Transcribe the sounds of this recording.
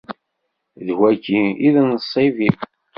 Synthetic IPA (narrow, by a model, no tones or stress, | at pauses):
ðwækiiðnəsˤivi